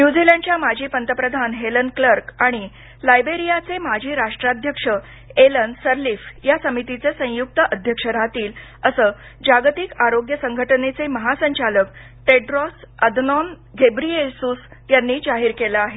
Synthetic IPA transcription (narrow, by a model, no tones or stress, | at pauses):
njud͡zilẽɳɖt͡ɕjamad͡ʑʱiːpənt̪əpɾəd̪ʱanɦelənkləɾkaɽ̃i | lajbeɾijat͡semad͡ʑʱiːɾaʂʈɾad̪ʱjəkʂə | elənsəɾliːfjasəmit̪it͡sesə̃juk̚t̪əʔəd̪ʱjəkʂəɾat̪iːləsəː | d͡ʑaɡt̪ikaɾoɡjəsəŋɡʱəʈənet͡seməɦasəɲt͡ɕalək̚ | ʈeɖɾɔsəd̪ʱnɔn | ɡʱebɾiesuːsjanːiːd͡ʑaɦiːɾkelaaɦe